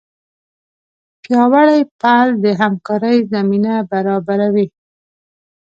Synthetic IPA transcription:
pjɑwaɽajpald̪əɦamkɑɾəjzaminabaɾɑbaɾawi

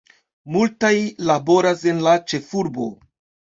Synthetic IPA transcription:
multajlabo̞ɾase̞nlat͡ʃe̞fuɾbo̞

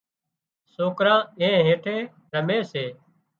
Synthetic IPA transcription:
soːkɾãːẽːɦẽːʈʰeː | ɾəmẽːseː

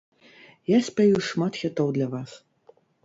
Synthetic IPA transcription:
jasʲpʲajuʂmat̪xʲat̪ɔwd̪lʲɐvas

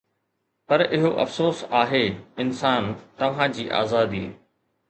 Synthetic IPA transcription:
pɐɾʔɪɦoʔɐ̰fsoːsaːɦeːɪnsaːnt̪ɐʋ̤ãd͡ʑiːʔa̰ːzaːd̪i

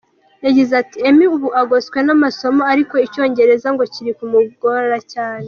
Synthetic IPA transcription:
jaɟizatie̞miuβuʔaɡo̞skwe̞namaso̞mo̞aɾiko̞ico̞ːɲɟe̞ɾe̞zaŋɡo̞ciɾikumuɡo̞ɾacaːne̞

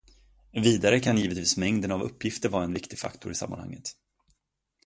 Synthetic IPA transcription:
viːd̪aɾəkʰanjiːvət̪viːsmɛŋd̪ənavɵpːjɪft̪əɾvɑːɾaɛnvɪkt̪ɪɡfa̰kt̪ʰʊɾɪsa̰mːanha̰ŋːət̪

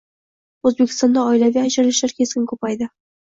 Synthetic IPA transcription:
ɵzbekʲɪ̥st̪ɒnd̪ɑɒɪlaviad͡ʒaɾlɪʃlaɾkʲʰe̞skʲɪnkʰɵpajd̪ɪ

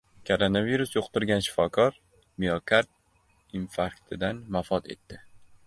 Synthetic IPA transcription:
kʰoɾonaviɾʊsjoqt̪ɪɾɡʲanʃɪ̥fɒkʰɒɾ | mijokʰaɾt̪̚ | infakt̪ʰɪd̪anmafɒt̪ʰe̞̰t̪ːɪ

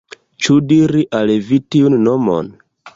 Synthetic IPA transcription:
t͡ʃudiɾiʔalevitiunnomo̰n

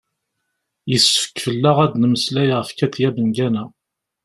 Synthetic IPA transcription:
jəsfə̥kːfəlːæʁæd̪nəməslæjʁəfkæθjæbənɡænæ

